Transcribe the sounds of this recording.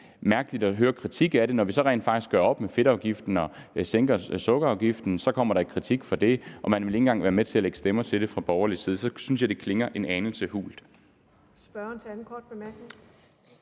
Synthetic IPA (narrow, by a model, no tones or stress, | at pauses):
mæɐɡ̥əlid̥ɒɦøːɐkʰʁit͡sʰiɡ̥æɐɾe̝nɒʋisɒ̽ʁɛ̰nfɑ̈ɡ̥isɡ̥ɶɐɒ̽b̥mefe̝ɾɑ̈ʊɡ̥ifd̥n̩ɒ̽seŋɡ̥ɐsɔ̽ɡ̥əɑ̈ʊɡ̥ifd̥n̩sɒ̽kʰɒ̽m̰ɐɾɑikʰʁit͡sʰiɡ̥fɒ̽d̥e̝ʔɒ̽mænʋe̝le̝ŋn̩ɡ̥ɑ̈ŋʋæːɐmet͡sʰe̝æleɡ̥ə̥sd̥emɐt͡sʰe̝ld̥e̝fʁɑ̈b̥ɒʊɐlisiːð̞ˠsɒ̽syns̬jɑ̈ɪde̝kʰle̝ŋɐʔe̝nɛːnl̩səhṵːld̥ | sb̥ɶnt͡sʰeæn̩kʰɒːd̥b̥e̝mæɐɡ̥neŋ